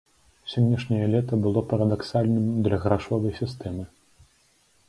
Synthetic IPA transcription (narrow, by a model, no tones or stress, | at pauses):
sʲɔnʲːɐʂnʲɐjɐlʲɛt̪ɐbɨlˠɔpɐɾɐd̪aksalʲnɨmd̪lʲɐɣɾaʂɔvɐjsʲist̪ɛmɨ